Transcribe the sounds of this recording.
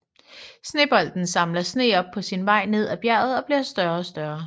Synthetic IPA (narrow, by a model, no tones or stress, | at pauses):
sne̝̰ːb̥ɒ̽l̰d̥n̩sɑ̈mlɐsne̝̰ːɒ̽b̥̚pʰːɒ̽sinʋɑ̈ɪ̰ne̝ð̞̰ˠæb̥jæɐ̰ð̞̩ˠɒ̽b̥liɐsd̥ɶɐɒsd̥ɶɐ